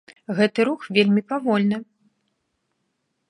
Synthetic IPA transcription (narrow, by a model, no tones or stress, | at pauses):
ɣɛt̪ɨɾuxvʲelʲmʲipavɔlʲnɨ